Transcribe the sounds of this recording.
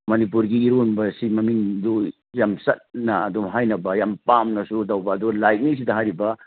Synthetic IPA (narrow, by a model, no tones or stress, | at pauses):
mɐnipuɾɡiːɾonbɐsimɐmiŋdo | jamsɐt̚nɐɐdɔmɦajnɐbɐjampamnɐsudawbɐːdɔlajt̚nis̬idɐɦaɾibɐ